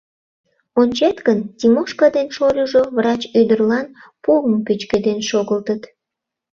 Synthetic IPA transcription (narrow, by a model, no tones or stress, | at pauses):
onʲt͡ɕet̪ɡənt̪ʲimoʃkɑd̪enʃolʲuʒovrɑt͡ɕød̪ərlɑnpuəmkøt͡ɕked̪enʃoɣəlt̪ət̪